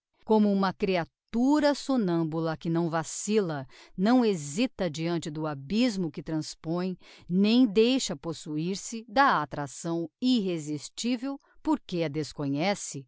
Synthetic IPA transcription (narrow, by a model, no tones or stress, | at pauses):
kõmʊũmɐkɾiatt̪uɾɐsonɐ̃bulɐkɪnɐ̃w̃vasilɐnɐ̃w̃ezit̪ɐd͡ʒiɐ̃nt͡ʃɪd̪ʊabizmʊkɪt̪ɾɐ̃spõj̃nẽj̃d̪ejʃɐposuiɾsɪd̪ɐat̪ɾasɐ̃w̃iɦezist͡ʃivew | poɾkeɐd̪eskõɲɛsɪ